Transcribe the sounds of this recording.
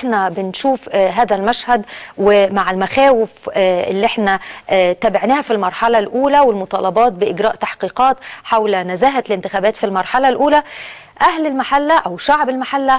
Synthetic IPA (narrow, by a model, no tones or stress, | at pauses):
ħnæbɪnʃuːfɦæːðælmæʃhæd̪wemaʕɪlmæxæːwɪfʔelːiʔeħnæʔt̪æːbeʕnæːhæfilmɑɾˤħɑlælʔuːlæwelmot̪ˤɑːlɑbɑːt̪̚bɪʔɪɡɾˤɑːʔt̪aħqiːqɑːt̪ħawlnæzæːɦælɪnt̪ɪxæːbæːt̪filmɑɾˤħɑlælʔuːlæ | ʔæhlɪlmaħalːæʔæwʃaʕbelmaħalːæ